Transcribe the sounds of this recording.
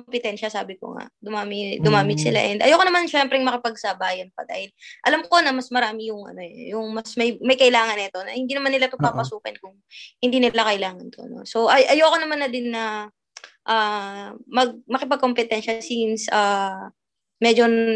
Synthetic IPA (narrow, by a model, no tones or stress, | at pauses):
kompɪt̪ɛnʃɐsaːbɪko̰ŋa̰d̪ʊmaːmɪd̪ʊmaːmɪk̪sɪla̰ʔɛnd̪ʔɐ̰jokonɐmanʃɛmpɾɛŋmɐkɪpɐɡ̚saːbaʔjonpɐd̪a̰ːhɪlʔɐlamko̞nɐmɐsmɐɾaːmɪjʊŋʔɐ̰no̞ɛjʊŋmɐsmɐjmɐjkɐʔɪlaːŋɐnɐt̪o̞nɐ̰hɪnd̪iːnɐmanːɪlat̪opapɐsuːkɐnkʊŋ | hɪnd̪iːnɪlakɐʔɪlaːŋɐnt̪oɐ̰no̞̰so̞ʔɐʔɐjokonɐmanːɐd̪ɪnːɐ | ʔaːmɐɡ̚mɐkɪpɐɡ̚kːompɪt̪ɛnʃɐsinsʔaː | mɛd͡ʒo̞